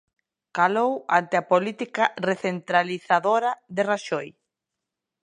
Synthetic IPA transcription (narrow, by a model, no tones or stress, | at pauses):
kalowant̪eapolit̪ikareθent̪ɾaliθaðoɾaðeraʃoj